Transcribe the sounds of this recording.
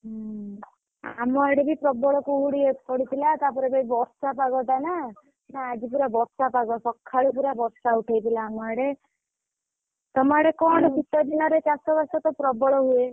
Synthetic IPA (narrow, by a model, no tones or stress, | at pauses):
ɦ | a̰mɔeɽebipɾɔbɔɭɔkuuɽiepɔɽit̪ʰilat̪apɔɾebaibɔɾsapaɡɔt̪ana | naːd͡ʒipuɾabɔɾsapaɡɔsɔkʰːaɭupuɾabɔɾsauʈʰajt̪ilaːmɔeɽe | t̪ɔmaaɽekɔɳ̃ɔkit̪ɔd̪inɔɾet͡ʃasɔbasɔt̪ɔpɾɔbɔɭɔɦue